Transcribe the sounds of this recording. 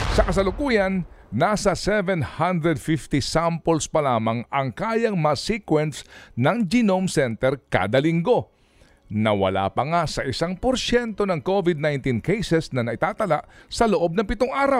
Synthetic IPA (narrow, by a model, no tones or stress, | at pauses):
sɐkɐs̬ɐlʊkuːjɐnːaːsɐsɛvɛnhand̪ɾɛd̪fift̪isampolspɐlaːmɐŋɐŋkaːjɐŋmɐsikwɛnsnɐŋd͡ʒɪnomsɛnt̪ɛɾka̰d̪ɐlɪŋɡo̞ | nɐwɐ̰la̰ːpɐŋasɐʔɪsaŋpoɾʃɛnt̪o̞nɐŋkovɪd̪̚najnt̪inkejsɛsnɐnɐʔɪt̪aːt̪ɐlaʔsɐloʔo̞b̚nɐŋpɪt̪oŋʔaːɾaw